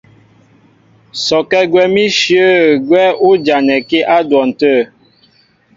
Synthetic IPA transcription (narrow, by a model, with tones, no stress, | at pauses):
sɔ˨kɛ˦ɡwɛ˦mi˦ʃjə˦˨ɡwɛ˦u˦d͡ʒa˨nɛ˨ke˦ʔa˦dwɔ˨n̩˨tə˦˨